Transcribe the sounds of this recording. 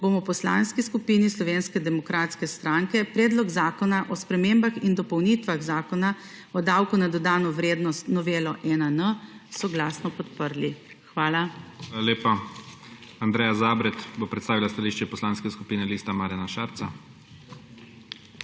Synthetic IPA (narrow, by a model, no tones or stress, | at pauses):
bomɔwpɔsla̰nskiskupinislɔʋeːnskɛd̪ɛmɔkɾaːt̪skɛst̪ɾaŋkɛpɾɛːd̪lɔɡzaːkɔnaʔɔspɾɛmeːmbaxind̪ɔpɔwnit̪ʋaɣzaːkɔna | ɔd̪awkunad̪ɔd̪aːnɔʋɾeːd̪nɔst̪nɔʋeːlɔʔɛnənəsɔɡlasnɔpɔt̪pəɾli | xʋaːlaalaleːpa | and̪ɾɛːjazaːbɾɛt̪bopɾɛt̪st̪aːʋilast̪aliːʃt͡ʃɛpɔslanskɛskupiːnɛliːst̪amaːɾjanaʃaɾt̪sa